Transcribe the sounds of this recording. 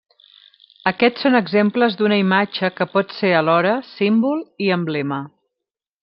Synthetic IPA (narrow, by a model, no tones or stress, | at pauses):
əkɛtsonəɡzempləzd̪unəimad͡ʒəkəpɔt̪seəlɔɾəsimbulˠiəmblɛmə